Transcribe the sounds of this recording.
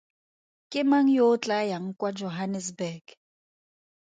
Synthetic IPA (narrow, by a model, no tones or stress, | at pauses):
kʼɪmaŋ̩jot͡ɬʼajaŋ̩kʼwad͡ʒɔɦanɛs̬bɛɡ